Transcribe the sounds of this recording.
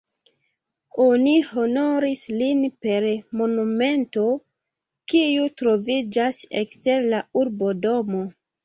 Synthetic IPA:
oniho̞no̞ɾislinpe̞ɾmo̞nume̞nto̞ | kiutɾo̞vid͡ʒasḛkste̞ɾlauɾbo̞do̞mo̞

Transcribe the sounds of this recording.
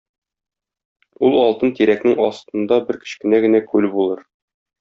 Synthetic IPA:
ulˠɒlˠt̪ɤnt̪iɾæknɘŋɒst̪ɤ̆nd̪ɑbɘɾkɘ̥̆ɕkɘ̆næɡɘ̆nækʉlbulˠɤɾ

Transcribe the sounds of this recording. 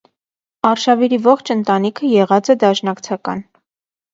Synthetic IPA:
ɑrʃɑviɾivɔχt͡ʃʰənt̪ɑnikʰəjɛʁɑt͡sɛd̪ɑʃnɑkt͡sʰɑkɑ̰n

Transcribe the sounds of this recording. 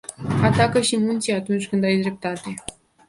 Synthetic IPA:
at̪akəʃimunt̪siat̪unt͡ʃʲkɨnd̪ajd̪ɾe̞p̚t̪at̪e̞

